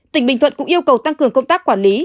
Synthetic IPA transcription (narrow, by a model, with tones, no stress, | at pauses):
t̪ï˧˩ŋ̟ɓï˨ŋʰwə̰˧˨nkʊ̰˧˥ŋ͡mʔi˧əwkə˨˩wt̪a˧ŋkɨ˨˩əŋkə˧wŋ͡mt̪aː˦˥kːwaː˧˩nli˨˦